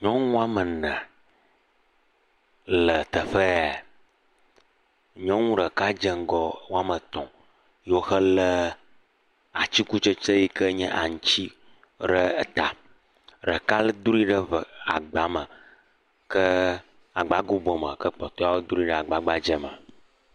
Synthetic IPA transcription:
ɲɔ̃˦ŋũ˦a˦mə˨nə̃˨ | lə˨t̪ə˨ɸə˦a˨ | ɲɔ̃˦ŋũ˦ɖə˨ka˦d͡ʒə˦ŋ˦ɡɔ˦ŋu˦a˦mə˨t̪ɔ̰̃˨ | jo˦xə˦lə˦ | a˨t͡ɕi˦ku˦t͡ʃə˦t͡ʃə˦ji˦kə˦ɲɛ̃˦ʔa˨ŋu˨t͡ɕi˦ | ɖə˦˨t̪a˨ | ɖə˨ka˦lə˦d̪u˦ɾi˦ɖə˦və˨a˨ɡ͡ba˨˦mə̃˨ | kə˦ | a˨ɡ͡ba˨˦ɡu˦bɔ˨mə̰̃˨kə˦k͡pɔ˨t̪ɔ˦a˦wo˦d̪u˦ɾi˦ɖə˦a˨ɡ͡ba˨ɡ͡ba˦d͡ʒə˦mə˨

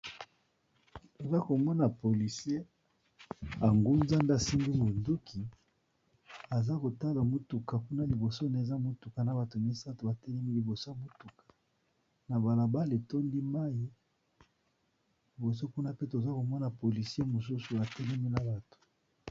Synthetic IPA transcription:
to˨za˦ko˨mɔ˦na˨po˨li˨se˦ | a˨ŋɡu˦nza˦nda˦˨si˦ŋɡi˦mo˨ndu˦kʰi˨ | a˨za˦ko˨ta˦la˨mo˦tu˨ka˨ku˦na˦li˨bo˨so˦ne˨za˦mo˦tu˨ka˨na˨ba˨to˨mi˦sa˦to˨ba˨tɛ˦lɛ˦mi˦li˨bo˨so˦a˦˨mo˦tu˨kḁ˨ | na˨ba˨la˨ba˦le˨to˦ndi˦ma˦ji˦ | li˨bo˨s̬o˦ku˦na˦pe˦to˨za˦ko˨mɔ˦na˨po˨li˨sje˦mo˨s̬u˦su˨a˨tɛ˦lɛ˦mi˦na˨ba˨to̥˨

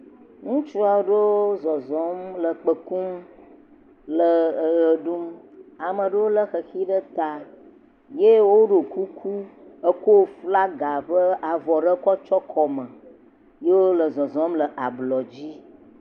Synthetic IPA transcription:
ŋũ˦t͡ʃu˦a˨wo˦ɖe˦wo˦zɔ˨zɔ̃˨˦mlə˨k͡pə˨ku˦m | lə˨ɣə˨ɖu˦m | a˨mə̃˨ɖə˦wo˦lə˦xə˨xi˦ɖə˦t̪a˨ | je˦wo˦ɖo˨ku˦kʰu˦ə˦ko˦fla˦ɡa˨ɸə˦a˨vɔ˨ɖə˦kɔ˦t͡ʃɔ˦kʰɔ˨mə̃˨ | je˦wo˦lə˨zɔ˨zɔ̃˦mlə˨ʔa˨blɔ˨d͡ʑi˦

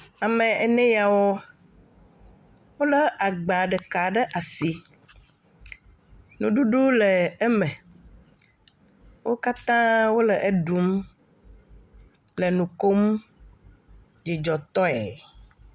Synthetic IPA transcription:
a˨mẽ˨ʔe˨nɛ̃˦ja˨wɔ˦ | wo˦lə˦ʔa˨ɡ͡ba˨ɖɛ˨ka˨ɖɛ˦ʔa˨si˨ | nũ˨ɖu˦ɖu˦lɛ˨ɛ˦mɛ̃˨ | wʔo˦ka˦t̪ã˦wo˦lə˨ʔe˦ɖu˨˦m | le˨nũ˨ko˦m | d͡ʒi˨d͡ʒɔ˨t̪ɔ˦ɛ˨

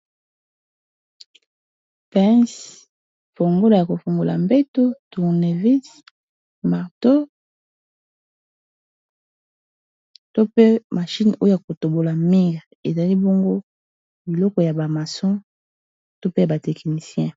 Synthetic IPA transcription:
pɛ̃˦s | fo˨ŋɡo˦la˨ja˨ko˨fo˨ŋɡo˨la̰˨mbe˦to˦tu˨ʁne˨vi˦s | ma˨ʁto˦ | to˦pe˦ma˨ʃi˦no˦jo˦ja˨ko˨to˨bo˨la˨mi˦ŋɡa˨ | e˨za˨li˦bo˦ŋɡo˦ | bi˨lɔ˦kɔ˨ja˨ba˨ma˨sɔ̃˦ | to˦pe˦ja˨ba˨tɛ˨kni˨sjɛ̃˦

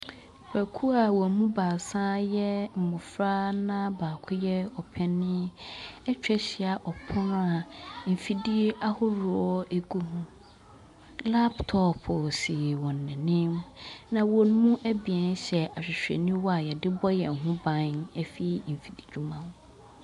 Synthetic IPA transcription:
bæ˨kʰu˦a˨wɔ˨mũ˦ba˨sã˦jɛ˦m̩˨mʊ̃˨fɾa˦nã˦baː˨kʰʊ˦jɛ˦ɔ˨pʰɛ˦nːɪ̃˦ɛ˦t͡ɕᶣɛ˦ɕɪ˨˦a˨ʔɔ˨pʰʊ̃˦na˨m̩˨fi˨di˦a˦hʊ˦ɾʊ˨ɔ˦e˦ɡu˦hʊ̃˦ | la˦ptʰɔ˦pʰʊ˨sɪ˨wɔ̃˨nː˨ɪ̃˨nɪ̃˦mnã˨wɔ˨n˦mũ˦ʔæ˦bi˨ɛ̃˨˦n˦ɕɛ˨ʔa˨ɕᶣɪ˨ɕᶣɛ̰˨nĩ˦wɔ˦a˨jɛ˨dɪ˦bɔ˦jɛ̰˨ɦʊ̃˦bã˨˦nɛ˦fi˦m̩˨fi˨di˨d͡ʑᶣu˦mã˦n

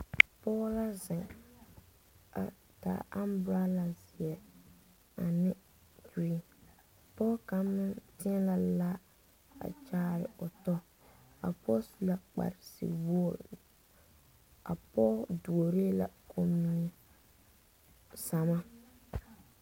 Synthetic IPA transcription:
pɔː˦la˦za˨ | a̰˨ | ta̰ː˨a˦mbɾa˦la˨zɪ˨ɛ˨ | a˨nɪ˦ | d͡ʒu˦i˨ | pɔː˦ka˨˦mːɪ˦ntɪ˦ɛ˦la˦laː˦ | a̰˨t͡ʃaː˦ɾɪ̰˨ʊ˨tɔ˦ | a̰˨pɔ˦su˨la˦k͡pa̰˨ɾɪ˨sḭ˨wɔ˦˨ | a˨pɔː˦du˨o˨ɾe˦la̰˨kʰo˦mi˦ɛ˦ | sa˨ma˦

